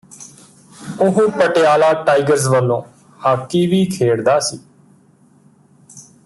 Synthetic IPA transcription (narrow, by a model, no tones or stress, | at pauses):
ʊɦũːpəʈejaːlaːʈaːiɡəɾzʋəlːõː | haːkːiːʋiːkʰeːɽd̪aːsiː